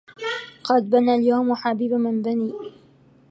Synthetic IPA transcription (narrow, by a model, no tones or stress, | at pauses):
qɑd̪̚banaːljawmħabiːbamɪnbaniː